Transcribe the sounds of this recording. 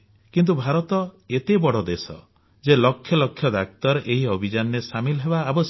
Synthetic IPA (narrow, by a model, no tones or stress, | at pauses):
kint̪ubʱaɾɔt̪ɔet̪ebɔɽɔd̪esɔ̰ | d͡ʒelɔkʰjɔlɔkʰjɔd̪ak̚t̪ɔɾɔʔeɦiɔbʱid͡ʒanɾesamilɔɦebaːbɔ